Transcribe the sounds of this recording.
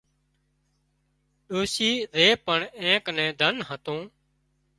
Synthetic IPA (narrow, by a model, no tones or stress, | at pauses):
ɗoːsiːɾeːpəɳẽːknɛ̃ːd̪ʱənɦət̪õː